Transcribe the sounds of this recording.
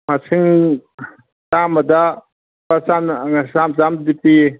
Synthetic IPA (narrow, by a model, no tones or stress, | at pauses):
masʰiŋ | tamɐd̪a | pasansamzamdipi